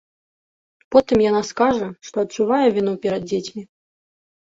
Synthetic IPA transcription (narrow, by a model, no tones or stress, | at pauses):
pɔt̪ɨmjanaskaʐɐʂt̪ɔɐtt͡ʂːuvajɛvʲinɔpʲɛɾɐd̪̚d͡zʲet͡sʲmʲi